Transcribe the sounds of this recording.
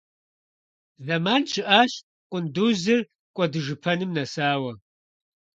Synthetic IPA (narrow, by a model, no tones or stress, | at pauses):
zɐmaːnt͡ʃʰɨʔaːɕ | qʷʼʊnduːzɨr | kʷʼɔdɨʒɨpʰɐnɨmnɐsaːwɐ